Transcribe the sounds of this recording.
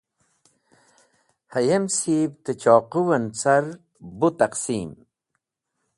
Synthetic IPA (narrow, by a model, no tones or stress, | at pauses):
hɐjemsibt̪et͡ɕɔːquwɐnt͡sɐɾ | but̪ɐqsiːm